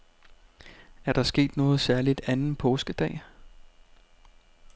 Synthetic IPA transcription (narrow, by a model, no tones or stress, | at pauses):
æɐɾ̥ɑ̈sɡ̥e̝̰ːd̥nɔ̽ːð̞̩ˠsæɐlid̥ænn̩pʰɔːsɡ̥əd̥ɛ̰ː